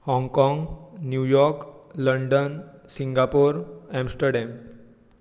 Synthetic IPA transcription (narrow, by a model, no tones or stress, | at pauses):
hɔ̃ŋɡkɔ̃ŋɡnjujɔɾkləɳɖənsĩŋɡapoɾɛ̃msʈəɾɖɛ̃m